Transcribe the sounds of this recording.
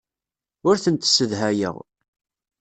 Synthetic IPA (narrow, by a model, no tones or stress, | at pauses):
ʊɾθənt̪səðɦæjə̰ʁ